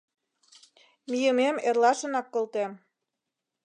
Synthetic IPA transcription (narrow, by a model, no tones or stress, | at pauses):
mijəmemerlɑʃə̆nɑkːolt̪em